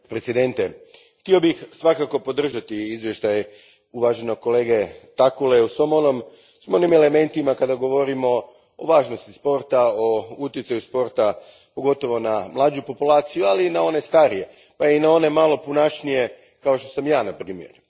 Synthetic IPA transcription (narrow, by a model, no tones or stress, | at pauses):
pɾet̪sid̪e̞nt̪e | xt̪io̞bixsʋakako̞po̞d̪r̩ʒat̪iizʋje̞ʃt̪aj | uʋaʒeno̞ko̞le̞ːɡe̞t̪akuleusʋomonom | sʋimoonimele̞me̞nt̪imakad̪aɡo̞ʋo̞ɾimo̞ | oʋaːʒno̞st̪i̥spo̞ɾt̪aout̪jet̪ajuspo̞ɾt̪a | po̞ɡo̞t̪o̞ʋo̞namlˠaːd͡ʒupo̞pulˠaːt̪sijualinao̞ne̞st̪aɾije̞ | painao̞ne̞malo̞punat͡ʃnije̞ | kao̞ʃt̪osamjaːnapɾiːmje̞̰ɾ